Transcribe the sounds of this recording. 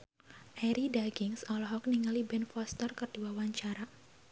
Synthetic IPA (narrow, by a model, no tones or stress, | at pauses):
ʔɛɾidaɡɪŋsɔlɔɦɔk̚niŋalibɛnfɔst̪ərkərd̥iwawaɲt͡ʃaɾa